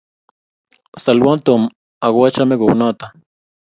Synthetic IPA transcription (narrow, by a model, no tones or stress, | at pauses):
salwant̪om | aɣwat͡ʃameɡownat̪a